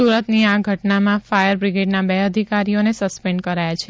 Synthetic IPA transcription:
suɾət̪niaɡʱəʈnamãfajəɾbɾiɡeɖnabeəd̪ʱikaɾionesəspɛ̃ɳɖkəɾajat͡ʃʰe

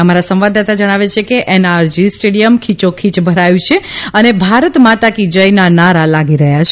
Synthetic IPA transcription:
əmaɾasə̃mʋad̪at̪ad͡ʒəɽ̃aʋet͡ʃʰekeʔɛnaɾd͡ʒisʈeɽijəmkʰit͡ʃokʰit͡ʃbʱəɾajũt͡ʃʰeənebʱaɾət̪mat̪akid͡ʒəjnanaɾalaɡiɾəɦjat͡ʃʰ

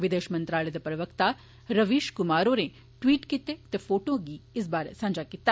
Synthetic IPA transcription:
ʋid̪eːʃɐmɐnt̪ɾaːɭed̪ɐpɾɐʋɐkt̪a | ɾɐʋiːʃkumaːɾoːɾe | ʈʋiːʈkit̪ːet̪efʰoːʈoːɡiːsbaːɾḛsɐ̃ɲd͡ʒaːkit̪ːa

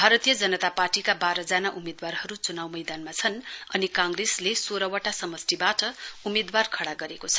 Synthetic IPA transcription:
bʱaɾʌt̪ijʌd͡zʌnʌt̪aparʈikabaɾʌd͡zanaʔumed̪warɦʌɾut͡sunawmʌjd̪anmat͡sʰʌnʌnikãŋɡreslesoɾʌwʌʈasʌmʌst̪ibaʈʌumed̪warkʰʌɽaɡʌɾekot͡sʰʌ̥

